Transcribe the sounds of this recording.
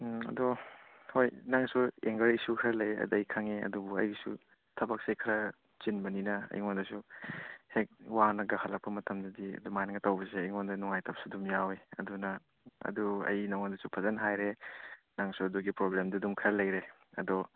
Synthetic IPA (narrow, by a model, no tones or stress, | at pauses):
ɐ̰dɔ | hojnaŋsueŋɡɐɾisukʰɐɾɐlɐjɐ̰dɐjkʰaŋeɐ̰dubuɐ̰jsṵ | tʰɐbɐk̚sejkʰɐɾɐ | t͡ʃinbɐninɐɐ̰jŋondɐsuhek̚wanɐɡahʰalɐk̚pɐmɐtɐmdɐdiɐ̰dumajnɐŋɡɐtawbɐseɐjŋondɐnuŋajtɐp̚sudumjaweɐ̰dunɐ | ɐ̰duɐ̰jnaŋondɐsupʰɐzɐnɦajɾe | naŋsuɐduɡipɾoblemdɐdumkʰɐɾɐlɐjɾe | ɐ̰dɔ